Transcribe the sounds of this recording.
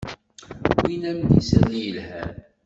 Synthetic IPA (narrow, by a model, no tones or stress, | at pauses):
winæmd̪ḭsæðjəlhæ